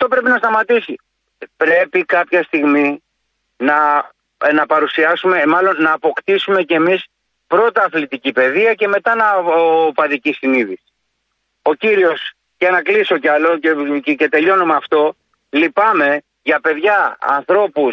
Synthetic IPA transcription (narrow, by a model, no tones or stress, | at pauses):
ɐft̪o̞pɾe̞pinɐst̪ɐmɐt̪isi | pɾe̞pikɐpçɐst̪iɣmi | nɐ | nɐpɐɾusiɐsume̞mɐlo̞nːɐːpo̞kt̪isume̞cemis | pɾo̞t̪ɐːθlit̪icipe̞ðiɐce̞me̞t̪ɐnɐopɐðicisiniðis | o̞ciɾio̞s | ʝɐnɐklisiocɐloece̞t̪e̞ʎo̞numeɐft̪o̞ | lipɐme̞ | ʝɐpe̞ðʝɐ̰ːnθɾo̞pus